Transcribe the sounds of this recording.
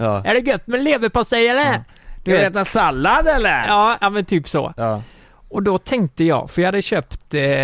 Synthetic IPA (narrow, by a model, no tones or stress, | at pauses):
ʔæɖɛɡœt̪ːmɛnleːvəpasɛjɛlːə | d̪eːt̪asalːad̪ɛlːəɾɑːjɑːmɛnt̪ʰyːpsɔ̰ | ɔd̪ɔt̪ʰɛŋk̚t̪əjɑ̰ːɡfœjɑhad̪ːəɕøːpt̪